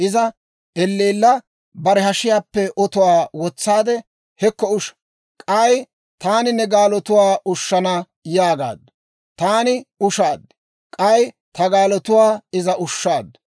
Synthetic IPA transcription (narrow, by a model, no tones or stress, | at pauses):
ʔɪzɐ | ɛlːeːlːɐ | bɐɾɛɦɐʃɪjaːpːɛʔɔt̪ʊwaːwɔt͡sːaːd̪ɛ | hɛkːɔʊʃ | kʼɐj | t̪aːnɪnɛɡaːlɔt̪ʊwaːʔʊʃːɐnɐ | jaːɡa̰ːd̪ːɐ | t̪aːnɪʊʃaːd̪ː | kʼɐj | t̪ɐɡaːlɔt̪ʊwaːɪzɐʔʊʃːaːd̪ː